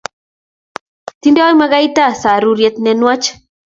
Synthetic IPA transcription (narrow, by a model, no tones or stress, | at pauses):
t̪indeajmaɣajt̪asaɾuɾjet̪nenwat͡ʃ